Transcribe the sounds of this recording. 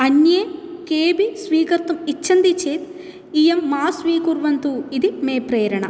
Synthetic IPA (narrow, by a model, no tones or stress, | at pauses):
ɐnjeːkeːbisʋiːkɐɾt̪umit͡ʃːɐnd̪it͡ʃeːt̪ | ijɐmːaːsʋiːkuɾʋɐnt̪uːid̪imeːpɾeːɾɐɳɐ̰